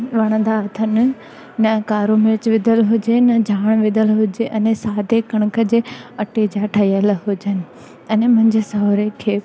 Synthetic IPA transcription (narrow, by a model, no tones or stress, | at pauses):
ʋɐɽ̃ə̃nd̪aɐt̪ʰənɪ̆ | nɐkaːɾomɪɾt͡ɕʋɪd̪ʱəlɦʊd͡ʑenɐd͡ʑʱaːɽ̃ʋɪd̪ʱəlɦʊd͡ʑeʔɛnɛsaːd̪ekɐɽ̃ʊkʰə̆d͡ʑeːɐʈed͡ʑaːʈʰɐijəlɦʊd͡ʑənɪ̆ | ɐnɛmʊ̃ɦɪ̃ɲd͡ʑesɐɦoɾekʰeː